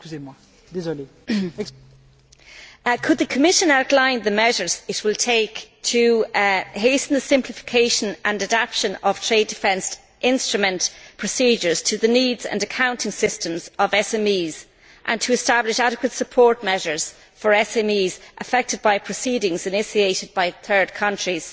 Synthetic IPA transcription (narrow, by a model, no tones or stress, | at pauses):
kyemwa | d̪ezɔle | kʰəd̪̚ðəkʰəmɪʃə̃naʊtˡlãɪ̃nðəmɛʒə˞z̥ɪt̚wɪlˠtʰeɪktʰə | heɪsə̃n̩ðəsɪ̃mpʰlɪfɪ̥kʰeɪʃə̃nʔə̃nədapʃə̃nəv̥tʰɹ̥eɪdɪfɛ̃ns | ʔɪ̃nstɹ̥əmə̃ntpʰɹ̥əsiːd͡ʒə˞z̥tʰəðəniːdz̥ə̰̃nəkʰãʊ̃ntɪ̃ŋsɪstə̃mzəvɛsɛ̃miːz̥ | ʔə̃ntʰəːstablɪʃaɾɪkwətsəpʰɔɹt̚mɛʒə˞z̥ | fə˞ɛsɛ̃miːzʔəfɛk̚tɨd̚baɪpʰɹ̥əsiːɾɪ̃ŋzɨnɪsieɪɾɨd̚baɪθɜ˞d̚kʰʌ̃nt͡ʃɹ̥iz̥